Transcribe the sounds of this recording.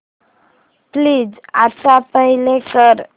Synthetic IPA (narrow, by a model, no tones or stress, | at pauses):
pliːd͡za̰sapəɦilekəɾ